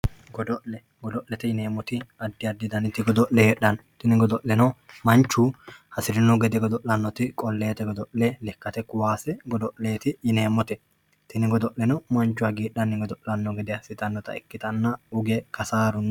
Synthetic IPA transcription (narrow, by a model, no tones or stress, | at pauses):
ɡɔd̪ɔʔlɛ | ɡɔd̪ɔʔlɛt̪ɪjɪneːmɔt̪ɪɐd̪ːɪɐd̪ːɪd̪ɐnɪt̪ːɪɡɔd̪ɔʔlɛhɛᶑɐnt̪ɪnɪɡɔd̪ɔʔlɛnɔmɐnt͡ʃːuːhɐsɪɾɪnːɔɡɛd̪ɛɡɔd̪ɔʔlɐnːɔt̪ɪkʼɔlːe̞ːt̪ɛɡɔd̪ɔʔlɛlɛkːɐt̪ɛkʊwaːsɛɡɔd̪ɔʔleːt̪ɪjɪne̞ːmɔt̪ɛ | t̪ɪnɪɡɔd̪ɔʔlːɛnɔmɔnt͡ʃːʊwaɡiːɗːɐnːɪɡɔd̪ɔʔlɐnːɔɡɛd̪ɛjɐsɪt̪ʼɐnːɔt̪ɐ̰ɛ̰kːɪt̪ɐnːɐʊɡɛkɐsaːɾʊn